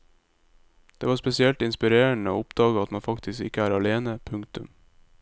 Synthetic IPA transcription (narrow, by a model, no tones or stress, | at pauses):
d̪̥eːʋɑːspɛsɪɛlt̪ɪnspɪɾeːəɳəo̰ːʊpd̪̥ɑːɡəɑt̪mɑnfɑkt̪ʰɪskɪ̰kəæːɾɑleːnəpʰʉŋkt̪ʉm